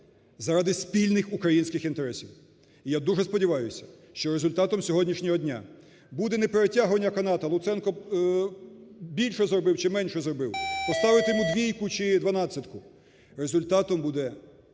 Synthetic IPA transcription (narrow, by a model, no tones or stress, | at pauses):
zɐɾɑd̪ɪspʲilʲnɪxukɾɐjinʲsʲkɪxint̪eɾɛsʲiw | ijad̪uʐɛspɔdʲiʋɑjʊsʲɐ̥ʃt͡ʃɔɾezʊlʲt̪ɑt̪ɔmsʲɔɦɔdʲnʲiʃnʲɔɦɔdʲnʲa̰ | bud̪ɛnɛpeɾetʲaɦʊʋɐnʲːɐkɐnɑt̪ɐlˠʊt̪sɛnkɔ | bʲilʲʃɛzrɔbɪwt͡ʃɪmɛnʲʃɛzrɔbɪwpɔst̪ɑʋɪt̪emʊd̪ʲʋʲijkʊt͡ʃɪd̪ʋɐnɑsʲɐt̪kʊ | ɾezʊlʲt̪ɑt̪ɔmbud̪ɛ